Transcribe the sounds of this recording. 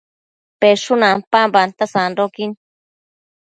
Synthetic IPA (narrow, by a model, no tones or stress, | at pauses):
peʂunãnpambant̪asanɾokin